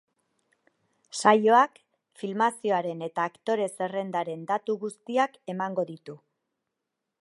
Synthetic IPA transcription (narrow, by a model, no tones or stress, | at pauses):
sajo̞ak | filmasio̞aɾe̞ne̞t̪aːkt̪o̞ɾe̞se̞re̞nd̪aɾe̞nd̪at̪uɣust̪iake̞maŋɡo̞ðit̪u